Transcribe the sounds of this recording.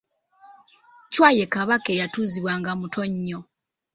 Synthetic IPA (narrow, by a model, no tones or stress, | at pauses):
cwaːje̞kaβake̞jatuːziβwaːŋɡamutʰoɲːo